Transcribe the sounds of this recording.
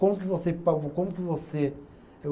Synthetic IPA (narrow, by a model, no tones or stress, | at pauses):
kõmukɪvosepakõmukɪvose